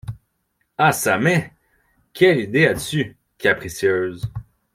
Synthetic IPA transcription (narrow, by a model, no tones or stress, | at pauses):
asamɛ̃ | kʲʰɛlid̪ead̪əsy | kʲʰapχisjøːz